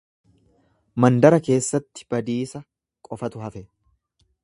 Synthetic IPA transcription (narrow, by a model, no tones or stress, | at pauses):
mɐnd̪ɐɾɐke̞ːsːɐt̪ːɪ̥b̥ɐd̪iːsɐ | kʼɔfɐt̪ʊɦɐfɛ